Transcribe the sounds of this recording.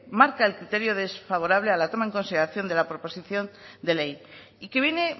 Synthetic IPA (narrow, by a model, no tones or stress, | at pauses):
maɾkaelkɾit̪e̞ɾjo̞ðe̞sfaβ̞o̞ɾaβlealat̪o̞mae̞ŋko̞nsiðeaθjo̞nd̪e̞lapɾo̞po̞siθjo̞nd̪e̞le̞j | ike̞βjene̞